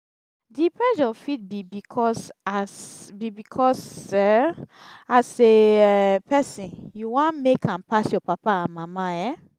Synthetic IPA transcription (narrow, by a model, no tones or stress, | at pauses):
dipɹɛʃɔfit̚bibikʰɔsasbibikʰɔsɛ | aseɛpɛsĩnjuwãnmekʰãmpasjɔpapaamamaɛ̃